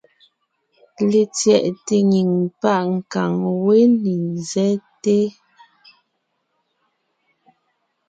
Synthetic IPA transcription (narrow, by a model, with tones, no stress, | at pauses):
le˨t͡sjɛ˨ʔte˨ɲi˨ŋpa˦˨ʔŋ̩˨ka˨ŋwe˦ni˨zɛ˦te˦